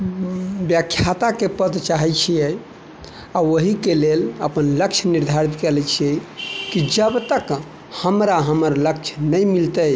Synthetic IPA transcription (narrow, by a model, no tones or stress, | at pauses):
bjəkʰːjat̪akepəd̪t͡ʃaɦɛt͡ʃʰijɛ | aəɦikeleləpənləkt͡ʃʰniɾd̪ʱaɾit̪kelɛt͡ʃʰijɛkid͡ʒəbt̪ək | həmɾaɦəməɾlək̚t͡ʃʰnəjmilt̪əj